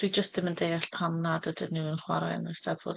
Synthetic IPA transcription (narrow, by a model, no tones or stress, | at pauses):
d̥ʰwid͡ʒəst̚ðɪməndejaɬpʰamnadədənuənχwaɾɔɛ̰nəsdaðvo̰ːd